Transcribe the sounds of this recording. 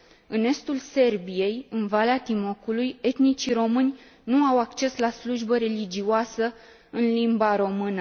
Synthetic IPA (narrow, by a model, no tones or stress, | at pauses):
ɨne̞st̪ulse̞rbije̞jɨnvaleat̪imo̞kuluje̞t̪nit͡ʃiɾo̞mɨnʲ | nuawakt͡ʃe̞slasluʒbəɾe̞lid͡ʒiwasə | ɨnlimbaɾo̞mɨnə